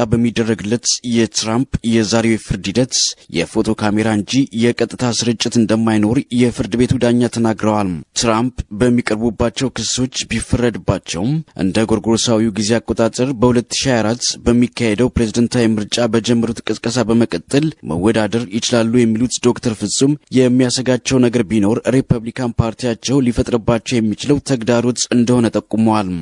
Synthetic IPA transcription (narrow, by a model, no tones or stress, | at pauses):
abəmːid̪ːərːəɡɨlːət̪jɛt̪ɾampjɛzaɾewjfɨɾd̪ɨd̪ət̪jɛ̰fo̞t̪ʰo̞kʰame̞ɾaɨnd͡ʒijɛkʼət̪ʼːɨt̪ʰasɨɾɨt͡ʃʼːɪt̪ɨnd̪əmːajno̞ɾjɛfɨɾd̪ɨβe̞t̪ʰud̪aɲːat̪ʰənaɡɾəwalmt̪ɾampbəmːikʼəɾbubːat͡ʃːɛwkɨso̞t͡ʃːbifːərːəd̪ɨbːat͡ʃːɛ̰wmʔɨ̰nd̪əɡo̞ɾɡoɾsawiuɡize̞akʼːo̞t̪ʼat̪ʼəɾbəhulət̪ːɨ̥ʃiaaɾat̪bəmːikʰːahed̪əwpɾe̞zid̪ənt̪ʰajmɨɾt͡ʃʼabəd͡ʒɛmːəɾut̪kʼɨskʼəsabəməkʼət̪ʼːɨlmə̰wːɔd̪ad̪əɾjɪt͡ʃɪlalːujɛmːilut̪d̪o̞kt̪ʰəɾfɨsʼumjɛmːijasəɡat͡ʃːɛwnəɡəɾbino̞ɾɾepʰuβlikʰanpʰaɾt̪ʰijat͡ʃːɛwlifət̪ʼɾəbːat͡ʃːɛwjɛmːit͡ʃɪləwt̪ʰəɡd̪aɾo̞t͡ʃ̪ːɨnd̪əho̞nət̪ʼəkʼːuməwal